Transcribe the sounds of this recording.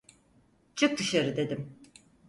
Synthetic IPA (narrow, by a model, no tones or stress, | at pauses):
t͡ʃʰɯk̚d̪ɯʃaɾɯd̪e̞d̪im